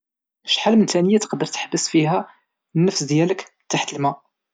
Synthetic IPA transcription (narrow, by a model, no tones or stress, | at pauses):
ʃħalmənt̪ænəjæt̪ə̥qd̪əɾt̪ə̥ħbəsfiɦæ | nːəfsd̪jælək | t̪ːaħt̪əlmæ